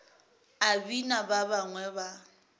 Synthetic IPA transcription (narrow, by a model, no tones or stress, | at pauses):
abinababaŋwɛba